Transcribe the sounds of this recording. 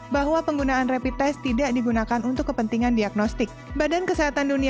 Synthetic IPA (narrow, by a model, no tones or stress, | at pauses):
baɦwapəŋɡunaːnrepit̪ɛst̪idaʔdiɡunakanunt̪ʊkːəpənt̪iŋandiaɡ̚nɔst̪ɪk̚badankəseɦat̪anduni